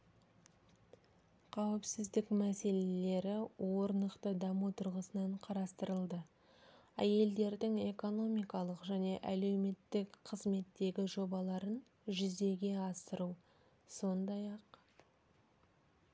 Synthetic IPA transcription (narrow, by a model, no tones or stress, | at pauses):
qʰɑwɪpsɪzd̪ɪkmæse̞le̞le̞ɾɪwo̞ɾnəqt̪əd̪ɑmut̪ʰʊɾʁəsənɑɴqʰɑɾɑst̪əɾəlˠd̪ə | æje̞ld̪e̞ɾd̪ɪŋe̞ko̞no̞mijkɑlˠəqʒæne̞ʔæle̞wme̞t̪ːɪkqʰəzme̞t̪ːe̞ɡʲɪʒo̞bɑlˠɑɾən | ʒʏzd̪e̞ɡʲe̞ɑsəɾu | so̞nd̪ɑjɑq